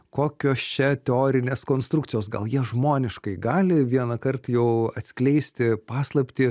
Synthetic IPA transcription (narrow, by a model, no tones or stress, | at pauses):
koːkʲoːst͡ʃʲɛt̪ʲɛoːɾʲɪnʲeːskoːnst̪ɾʊkt̪sʲɪjoːsɡɐ̰lˠjiɛʒmoːnʲɪʃkɐɪɡɑːlʲɪʋʲiɛnɐkɐrt̪jɛʊɐt̪ʲsʲkʲlʲɛɪsʲt̪ʲɪpɑːslˠɐpʲt̪ʲiː